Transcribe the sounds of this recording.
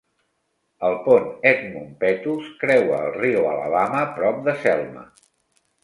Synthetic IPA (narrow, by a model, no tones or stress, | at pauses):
əlˠponɛt̪mumpɛt̪uskɾɛwəːlˠriwə̰lə̰βaməpɾɔp̚d̪əsɛlˠmə̰